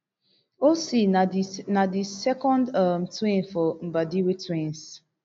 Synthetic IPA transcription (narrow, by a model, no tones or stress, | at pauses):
osinadisɛkɔ̃ndam̩twĩnfɔm̩badiwetwĩns